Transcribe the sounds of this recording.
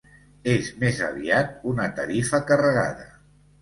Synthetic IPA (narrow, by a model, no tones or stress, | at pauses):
ezmezə̰βiat̪̚unət̪əɾifəkərəɣa̰ðə̰